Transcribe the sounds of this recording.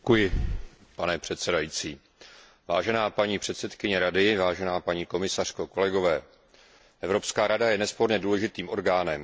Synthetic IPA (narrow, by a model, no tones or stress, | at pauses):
kujɪpanɛpr̥ɛt̪sɛdajiːt͡siː | vaːʒɛnaːpaɲiːpr̝̥ɛt̪sɛt̪kɪɲɛɾadɪvaːʒɛnaːpaɲiːko̞mɪsar̥ko̞ko̞lɛɡo̞vɛː | ʔɛvɾo̞pskaːɾadajɛnɛspo̞ɾɲɛduːlɛʒɪt̪iːmʔo̞ɾɡaːnɛm